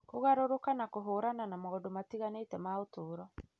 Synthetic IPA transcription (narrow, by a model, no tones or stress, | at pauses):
koɣaɾoɾokanakoɦoːɾananamaodomatiɣanetɛmaotoːɾɔ